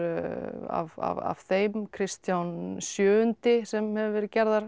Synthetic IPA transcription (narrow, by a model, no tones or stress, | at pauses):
a̰va̰va̰v̥θejmkʰɾɪst̪jawnsjœːʏnt̪ɪsɛmhɛvɪvɛːɾɪcɛɾðaɾ̥